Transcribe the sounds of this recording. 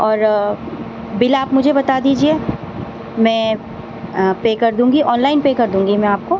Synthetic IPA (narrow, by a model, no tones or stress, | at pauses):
ɔːɾ | bɪlaːpmʊd͡ʒʱebɐt̪ad̪iːd͡ʒie | mɛ̃ː | peːkɐɾd̪ũːŋɡiʔɔːnlaːɪnpeːkɐɾd̪ũːŋɡimɛ̃aːp̚ko